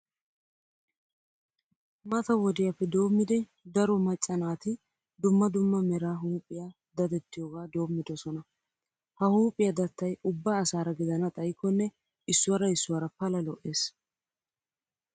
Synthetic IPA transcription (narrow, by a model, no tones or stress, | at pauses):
mɐt̪ɐwɔd̪ɪjɐpːɛd̪o̞ːmːɪd̪ɛ | d̪ɐɾɔmɐt͡ʃʼːɐnaːt̪ɪ | d̪ʊmːɐd̪ʊmːɐmɛɾaːɦuːpʼːɪja | d̪ɐd̪ɛt̪ːɪjoːɡaːd̪o̞ːmːɪd̪ɔsɔnɐ | hɐhuːpʼːɪjɐd̪ɐt̪ːɐjʊbːaːsaːɾɐɡɪd̪ɐnɐt̪ʼɐjkːɔnːɛ | ɪsːʊwɐɾɐɪsːʊwɐɾɐpɐlɐlɔʔe̞ːs